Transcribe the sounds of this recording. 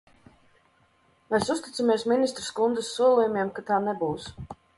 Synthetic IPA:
mesust̪i̥t̪samiɛsminist̪ɾskund̪ɨsːuɔlˠujumʲiɛmkat̪aːnebuːs

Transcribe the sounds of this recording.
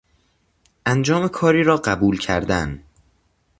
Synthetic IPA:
ʔænd͡ʒɒːme̞kʰɒːɾiːɾɒːɢæbuːlcʰæ̰ɾd̪æn

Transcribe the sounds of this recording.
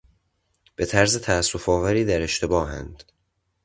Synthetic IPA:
b̥e̞t̪ʰæɾze̞t̪ʰæːsːofɒːvæɾiːd̪æɾe̞ʃt̪ʰe̞bɒːɦæ̰nd̪̥

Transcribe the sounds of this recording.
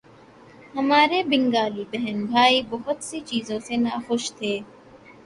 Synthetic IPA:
hɐmaːɾeːbɪŋɡaːliːbeɦɛnbʱaːiːboɦʊt̪sit͡ʃiːzõːsenɐɐxʊʃt̪ʰeː

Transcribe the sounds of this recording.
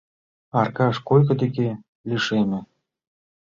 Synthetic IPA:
ɑrkɑʃkojkɤ̆d̪eke | liʃemɘ̆

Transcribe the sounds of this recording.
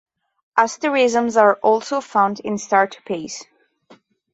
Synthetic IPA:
ʔastəɹɪzə̃mzaɹʔɔlˠsoʊfãʊ̃ndɪ̃nstaɹtʰu̥pʰeɪs

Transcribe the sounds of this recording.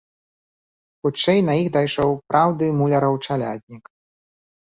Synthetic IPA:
xut͡ʂɛjnɐjixd̪ajʂɔwpɾʔawd̪ɨmulʲɐɾɐwt͡ʂalʲa̰d̪ʲnʲik

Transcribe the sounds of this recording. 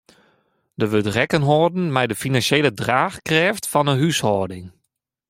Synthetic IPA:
dəʋøtrɛkənɦoːdn̩mɛjdəfinansjeːlədraːxkrɛːftfɔnəɦyshɔːdɪŋ

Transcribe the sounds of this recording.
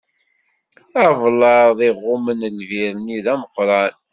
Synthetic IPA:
ævlɑɾðˤiʁːʊmənlviɾəniðæməqɾˤɑn

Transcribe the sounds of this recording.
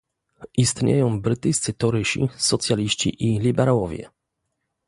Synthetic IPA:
ʔist̪ɲḛjɔ̃w̃bɾɘt̪ɘjst̪sɘt̪ɔɾɘɕḭsɔt̪sʲjalʲiɕt͡ɕḭʔilʲibɛɾawɔvʲjɛ̰

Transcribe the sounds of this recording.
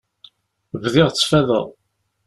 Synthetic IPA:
vðɪʁt͡sːfæðə̰ðˤ

